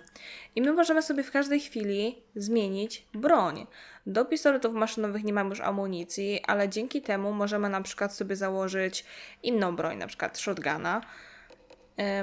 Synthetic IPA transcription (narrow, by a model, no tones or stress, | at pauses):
ʔimɘmɔʐɛmɘsɔbʲjɛfkaʐd̪ɛjxfʲilʲizmʲjeɲid͡ʑbɾɔɲd̪ɔpʲist̪ɔɾɛt̪ufmaʂɘnɔvɘxɲɛmamjuʂa̰muɲit̪sʲjiʔa̰lɛd͡ʑeŋkʲit̪ɛmumɔʐɛmɘnapʂɘ̥kwat̪sɔbʲjɛzawɔʐɘt͡ɕinːɔ̃w̃bɾɔ̰ɲna̰pʂɘ̥kwa̰t̪ʂɔd̪ɡa̰na